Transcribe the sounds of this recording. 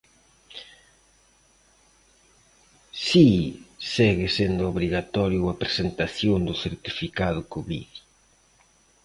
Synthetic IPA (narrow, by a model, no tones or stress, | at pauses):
sisɛɣɪsend̪ʊoβɾiɣat̪ɔɾjʊɐpɾesent̪aθjoŋd̪ʊθeɾt̪ifikaðʊkʊβḭðji